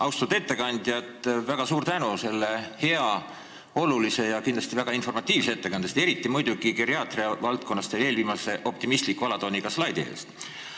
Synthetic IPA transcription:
ɑwst̪ud̪e̞t̪ːe̞kɑnʲd̪̥jɑt̪ˑvæɡ̥ɑsuːɾt̪ænuse̞lːe̞he̞ɑ | o̞lulise̞jɑkind̪l̥ɑst̪ivæɡ̥ɑinfo̞rmɑt̪ʲːˑiːvsee̞t̪ːekɑnd̪jɑst̪e̞ɾit̪ːˑimujd̪uɡ̥ikeɾiɑːt̪riɑvɑlt̪̚ko̞nːɑst̪eeːlviːmɑse̞ʔo̞p̚t̪imist̪likːuɑlɑt̪oniɡɑslɑjd̪iḛːst̪

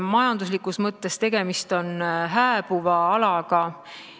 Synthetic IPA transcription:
mɑjɑnd̪̥uslikːˑusmɤt̪ːe̞st̪e̞ɡ̥e̞mist̪o̞nɦæːb̥uvɑɑlɑɡ̥ɑ

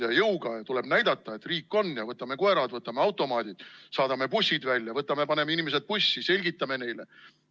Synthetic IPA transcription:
jɑjɤwɡ̥ɑjɑt̪ule̞b̥næjd̪ɑt̪ːˑɑe̞t̪riːkːˑo̞nːjɑvɤt̪ːˑɑme̞koe̞ɾɑd̪vɤt̪ːˑɑmeɑwt̪ːˑo̞mɑːd̪̥ʲid̪̥sɑːd̪̥ɑme̞pusʲːid̪̥vælʲjɑvɤt̪ːˑɑme̞pɑne̞meinimes̬ed̪̚pusʲːise̞lʲɡit̪ˑːɑme̞ne̞jle

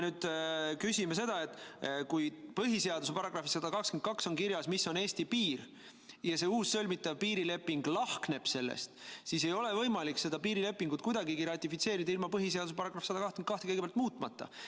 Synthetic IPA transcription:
nyːd̪̥kysʲimese̞d̪̥ɑe̞t̪ːˑkujpɤɦise̞ɑd̪us̬e̞pɑɾɑɡ̥rɑfisɑd̪̥ɑkɑkskent̪kɑkso̞nkiɾjɑsmisːo̞ne̞ːst̪ipiːr | jɑse̞uːsːølʲmit̪ːˑɑvpiːɾile̞pːiŋɡ̥lɑhkne̞b̥se̞lːḛst̪sis̬e̞jo̞le̞vɤ̞jmɑlikse̞d̪ɑpiːɾile̞pːˑiŋɡut̪̚kujd̪ɑɡiɡiɾɑt̪ʲːˑifit̪se̞ːɾid̪ɑilmɑpɤɦis̬e̞ɑd̪usepɑɾɑɡ̥rɑfisɑd̪̥ɑkɑht̪kenkɑht̪ekeɡe̥jɑlt̪̚muːt̪ˑmɑt̪ːɑ̰

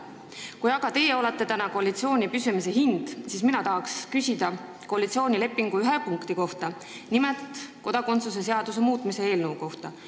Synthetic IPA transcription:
kujɑɡ̥ɑt̪e̞je̞o̞let̪ːˑe̞t̪ænɑko̞ɑlit̪sio̞ːnʲipysymis̬e̞ɦind̪̥siːsminɑt̪ɑɦɑkskysʲid̪̥ɑ | ko̞ɑlit̪sio̞ːnʲile̞pːˑiŋɡ̥uyɦepuŋkt̪iko̞ht̪ɑ | nimelt̪ko̞d̪̥ɑko̞nt̪sus̬e̞s̬e̞ɑd̪̥us̬e̞muːt̪ˑmise̞e̞ːlnəuko̞ht̪ɑ

